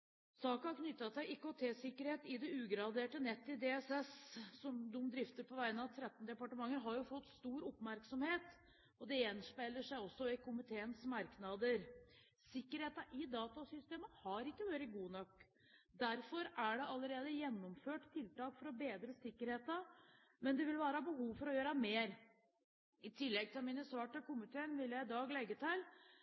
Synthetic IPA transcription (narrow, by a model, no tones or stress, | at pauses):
sɑːkɑɑɾkʰnʏt̪ːɑsæɪɪkːot̪ʰesɪkːəɾheːt̪ɪd̪ɛʉːɡɾɑd̪eːʈənɛt̪ːɪd̪eɛsɛssɔmd̪ʊmd̪ɾɪft̪əɾpʰɔʋæɪnəɑʋt̪ʰɾɛt̪ːn̩d̪ɛpɑʈəmɑŋːəɾɦɑɾjʊfɔt̪ːst̪uːɾʊpmæɾksɔmheːt̪ | ɔd̪ɛjɛnspæɪlːəʂæɪɔsːɔɪkʊmɪt̪ʰeːənsmɑɾknɑd̪əɾ | sɪkːəɾheːt̪ɑʔɪd̪ɑːt̪ɑsʏst̪eːməhɑɾɪkːəʋøːɾəɡuːnɔkː | d̪æɾfɔɾæɖɛɑlːəɾeːd̪əjɛnːɔmføːʈt̪ʰɪlt̪ɑːkfɔɾɔbeːd̪ɾəsɪkːəɾheːt̪ɑ | mɛnd̪ɛʋɪlʋɑːɾəɑbəɦuːʋfɔɾɔjøːɾɑmeːɾ | ɪt̪ʰɪlːɛɡ̚t̪ʰɪlmiːnəsʋɑːʈəkʊmɪt̪ʰeːənʋɪljæɪɪd̪ɑːɡlɛɡːət̪ʰɪl